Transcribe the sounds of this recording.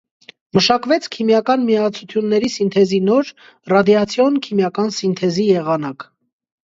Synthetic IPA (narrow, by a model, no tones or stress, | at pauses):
məʃɑkvɛt͡sʰkʰimjɑkɑnmiɑt͡sʰut̪ʰjunːɛɾisint̪ʰɛzinɔɾ | rɑd̪jɑt͡sʰjɔnkʰimjɑkɑnsint̪ʰɛzijɛʁɑnɑk